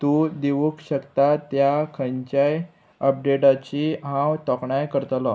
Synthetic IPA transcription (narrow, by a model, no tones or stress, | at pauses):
t̪ud̪eʋukɕəkt̪at̪jakʰəɲt͡ɕaj | əp̚ɖeʈat͡ɕiɦãwt̪ɔkɳajkəɾt̪lɔ